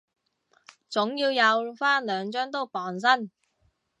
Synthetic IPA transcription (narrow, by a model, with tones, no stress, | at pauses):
t͡sʊ˨˥ŋjiː˧wjɐ˨˧wfaː˥nlœː˨˧ŋt͡ʃœː˥ŋt̪o˥wpɔː˨˩ns̬ɐ˥n